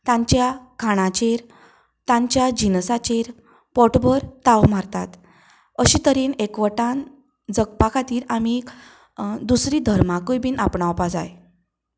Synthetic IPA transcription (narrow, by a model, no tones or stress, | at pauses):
t̪ãɲt͡ɕjakʰaɽ̃ãt͡ɕeɾ | t̪ãɲt͡ɕjad͡ʑinsat͡ɕeɾ | pɔʈbəɾt̪awmaɾt̪a̰t̪ | əɕiːt̪əɾiːnekʋəʈãn | d͡zəɡpakʰat̪iːɾami | d̪usɾiːd̪ʱəɾmakəjbiːnapɳaʋpad͡za̰j